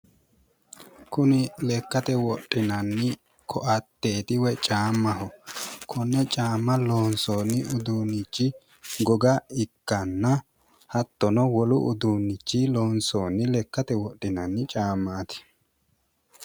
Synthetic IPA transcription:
kʊnɪlɛkːɐt̪ɛwɔɗʼːɪnɐnːɪ | kʰɔʔɐt̪ːe̞ːt̪ɪwɛt͡ʃʼaːmːɐɦɔkʰɔnːɛt͡ʃʼaːmːɐloːnsoːnːɪʔʊd̪uːnːɪt͡ʃːɪ | ɡɔɡɐɪkːɐnːɐ | hɐt̪ːɔnɔwɔlʊ̰ʔʊd̪uːnːɪt͡ʃːɪloːnsoːnɪlɛkːɐt̪ɛwɔɗɪnɐnːɪt͡ʃʼaːmːaːt̪ɪ̥

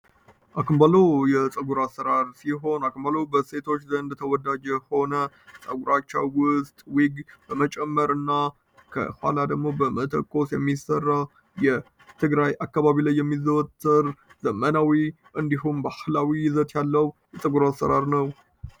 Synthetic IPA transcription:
ʔakʰɨmbəlojɛt͡sʼəɡuɾasːəɾaɾsiɦo̞nakɨmbəlobəse̞t̪ʰo̞t͡ʃːzənd̪t̪ʰəwɔd̪ad͡ʒəho̞nə | sʼəɡuɾat͡ʃːa̰wwʊst̪ʼwiɡb̥əmət͡ʃʼɛmːəɾɨnːa | kʰə̰hwa̰lad̪əɡmo̞bəmət̪ʰə̰kʼːo̞sjɛmːisərːa | jɛ | t̪ʰɨɡɾajʔakːaβaβilajːɛmːizəwt̪ʰʼːɨɾz̥əmənawi | ʔɨnd̪iɦumbahlawizət̪jalːəwjɛt͡sʼəɡuɾasːə̰ɾaɾnəw

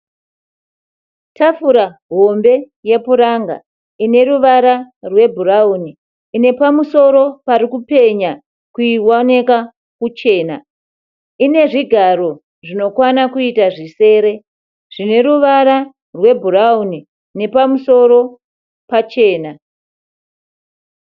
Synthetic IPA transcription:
tafuɾaɦo̞mbe̞ | je̞puɾaŋɡa̰ | ine̞ɾuʋaɾarwe̞bʱurauniː | ne̞pamuso̞ɾo̞paɾikupe̞ɲa | kuiwaneka | kut͡ʃe̞ːna | ine̞ʐiɡʱaɾo̞ | ʐino̞kwanakuitaʐise̞ːɾe̞ | ʐ̥ine̞ɾuʋaɾa | rwe̞bʱurauni | ne̞pamuso̞ɾo̞ | pat͡ʃe̞ːna

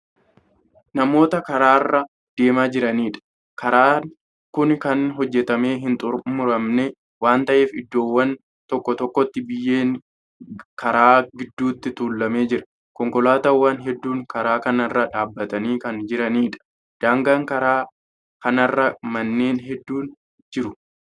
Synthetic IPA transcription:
nɐmo̞ːt̪ɐkɐɾaːrːɐ | d̪̥e̞ːmaːd͡ʒɪɾɐniːᶑɐ̥ | kɐɾaːn | kʊnkɐnɦɔd͡ʒːɛt̪ɐme̞ːɦɪnt̪ʼʊɾmʊɾɐmnɛ | waːnt̪ɐʔe̞ːfɪd̪ːo̞ːwːɐn | t̪ɔkːɔt̪ɔkːɔt̪ːɪbɪjːeːŋ | kʰɐɾaːɡɪd̪ːuːt̪ːɪt̪uːlːɐme̞ːd͡ʒɪɾɐ | kɔŋkɔlaːt̪ɐwːanɦɛd̪ːuːŋkɐɾaːkɐnɐrːɐᶑaːbːɐt̪ɐniːkɐnd͡ʒɪɾɐniːᶑɐ̥ | d̪̥aːŋɡaŋkɐɾaː | kɐnɐrːɐmɐnːe̞ːnɦɛd̪ːuːn | d͡ʒɪɾʊ

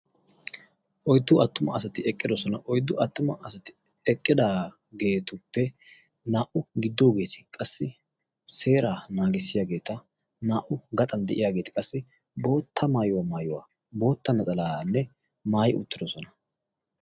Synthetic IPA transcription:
ʔɔjd̪ːʊʔɐt̪ːʊmɐɐsɐt̪ɪɛkʼːɪd̪ɔsɔnɐʔɔjd̪ʊʔɐt̪ːʊmɐʔɐsɐt̪ɪ̥ | ɛkʼːɪd̪aː | ɡe̞ːt̪ʊpːɛ | naːʔʊɡɪd̪ːo̞ːɡe̞ːt̪ɪ̥kʼɐsːɪ | se̞ːɾaːnaːɡɪsːɪjaːɡe̞ːt̪ɐ | naːʔʊɡɐt̪ʼɐnd̪ɛʔɪjaːɡe̞ːt̪ɪ̥kʼɐsːɪ | bo̞ːt̪ʰːɐmaːjʊwamaːjʊwa̰ː | bo̞ːt̪ːɐnɐt͡s̪ʼɐlaːnːɛ | maːjɪʊ̰t̪ːɪd̪ɔsɔnɐ̥

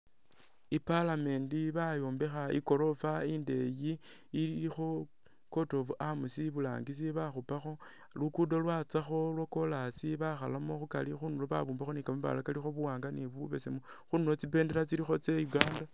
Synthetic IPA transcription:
ipalame̞ːndiβajoːmbe̞xaḭko̞ɾo̞fainde̞jiː | ixo | ko̞to̞vuʔamusiβula̰ːŋɡis̬iβaxupaxo̞ | lukudolwat͡saxo̞lwoko̞lasiβaxalamoxuka̰lixunuloβa̰βuːmbaxonikameβa̰lakalixo̞βuwaːŋɡaniβuβe̞semu | xunulot͡sipe̞ːndeɾat͡silixo̞t͡se̞juɡaːnda

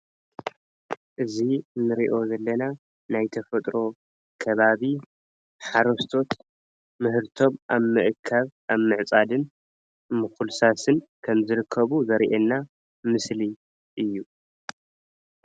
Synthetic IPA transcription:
ʔɨzinɨɾiʔo̞zɐlːɐna | najt̪ʰɐfɐt̪ʼɾo̞ | kʰɐβaβi | ħaɾost̪ʰo̞t̪ | mɨɦɨɾt̪ʰo̞maβmɨʔɨkʰːaβʔaβmɨʕt͡sʼad̪ɨn | mɨxulsasɨnkʰɐmzɨɾɨkʰːɐβuzɐɾiʔɛnːa | mɨsli | ʔɨjːu

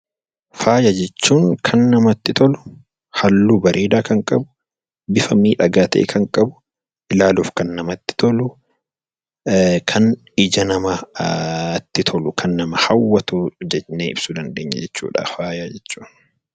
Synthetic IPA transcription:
faːjɐd͡ʒɛt͡ʃːuːŋkʰɐnːɐmɐt̪ːɪt̪ʰɔlʊ̥ | hɐlːuːbɐɾʔiːd̪aːkɐŋkʼɐbʊ̥ | bɪfɐmiːᶑɐɡaːt̪ḛːkʰɐŋkʼɐbʊ̥ | ʔɪlaːlʊfkɐnːɐmɐt̪ːɪ̥t̪ʰɔlʊ | kʰɐn | ɪd͡ʒɐnɐmɐ | t̪ːɪt̪ʰɔlʊkʰɐnːɐmɐhɐwːɐt̪ud͡ʒɛneːɪbsud̪ɐnd̪eːɲːɐ̰d͡ʒɛt͡ʃːṵːᶑa̰ːfaːjad͡ʒɛt͡ʃːu̥ːn

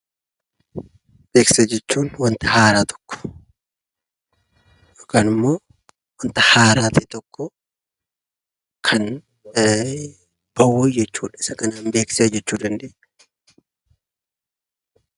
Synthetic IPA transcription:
b̥eːkseːd͡ʒɛt͡ʃːuːnwɐnt̪ɐhaːɾaːt̪ʰɔ̥kːɔ̥ | kanɪmːo̞ː | wɐnt̪ɐhaːɾaːt̪it̪ɔkːɔ | kʰɐn | b̥ɐwud͡ʒɛt͡ʃːuːᶑɐɪsɐkɐnaːnbeːkseːd͡ʒɛt͡ʃːuːd̪ɐnd̪eːɛ

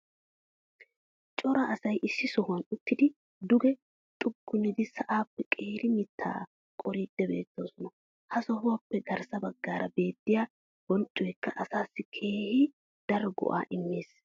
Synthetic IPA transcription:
t͡ʃʼɔɾɐɐsɐjʔɪsːɪsɔhʊɐnʊt̪ːɪd̪ɪ | d̪ʊɡɛ | t̪ʼʊɡːʊnːɪd̪ɪsɐʔaːpːɛkʼe̞ːɾʔɪmɪt̪ʰːa̰ː | kʼɔɾiːd̪̥ːɛbe̞̰ːt̪ːoːsɔnɔ | hɐsɔhʊwɐpːɛɡɐɾsɐbɐɡːaːɾɐbe̞ːt̪ːɪjaː | bɔnt͡ʃʼːɔjɛkːɐʔɐsaːsːɪkʰe̞ːhɪ | d̪̥ɐɾɔɡɔ̰ʔa̰ːʔɪmːeːs

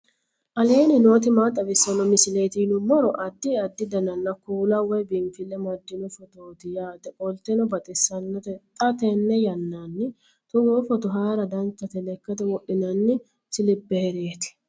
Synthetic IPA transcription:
ʔɐleːnɪno̞ːt̪̬ɪmaːt̪ʼːɐbɪsːɐnɔmɪsɪleːt̪inʊmɔɾɔʔɐd̪ːɪɐd̪ːɪd̪ɐnɐnːɐkuːlɐwɔjbɪmfɪlːɛmɐd̪ːɪnʊfɔt̪oːt̪ɪjaːd̪ɛʔʼɔlt̪ɛnɔbɐt̪ʼɪsːɐnːɔt̪ɛt̪ʼɐt̪ɛnːɛjɐnːanːɪ | t̪ʊɡoːfɔt̪ʊɦaːɾɐd̪ɐnt͡sːɐt̪ɛlɛkːɐt̪ɛwɔʔɪnɐnːɪ | sɪlɪbːeɛɾeːt̪ɪ̥

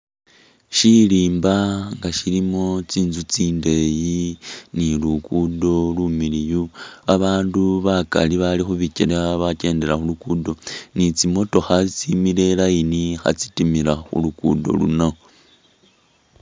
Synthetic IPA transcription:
ʃiliːmbaŋɡaʃilimo̞t͡siːnzut͡siːnde̞jinilukudo̞lumilijuaβaːnduβaka̰liβalixuβiciɾβace̞ːnde̞ɾaxulukudo̞nit͡simo̞to̞xat͡simiɾe̞lajinixa̰t͡si̥timiɾaxṵlukudo̞̰lṵnao

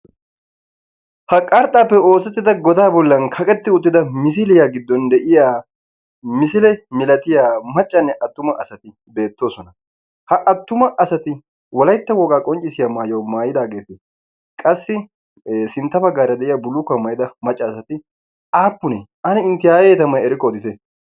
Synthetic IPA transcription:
hɐkʼːɐɾt̪ʼaːpːɛo̞ːsɛt̪ːɪd̪ɐɡɔd̪aːbɔlːɐnkʰɐkʼɛt̪ːɪʊt̪ːɪd̪ɐmɪs̬ɪlɪjaːɡɪd̪ːɔnd̪ɛʔɪjaː | mɪsɪlɛmɪlɐt̪ɪjaːmɐt͡ʃʼːɐnːɛʔɐt̪ːʊmɐʔɐsɐt̪ɪ | be̞ːt̪ːo̞ːsɔnɐ | hɐʔɐt̪ːʊmɐʔɐsɐt̪ɪ | wɐlɐjɪt̪ːɐwɔːkʼaːkʼɔnt͡ʃʼːɪsɪjɐmaːjowmaːjɪd̪aːɡe̞ːt̪ɪ | kʼɐsːɪ | sɪnt̪ːɐbɐɡːaːɾɐd̪ɛʔɪjɐbʊlːʊkːɐmɐjd̪ɐmɐt͡ʃʼːɐːsɐt̪ɪ | ʔaːpːʊnɛʔɐnɪɪnt̪ɪjaːjɛt̪ɐmɐjɛɾɪkːɔɔd̪ɪt̪ɛ

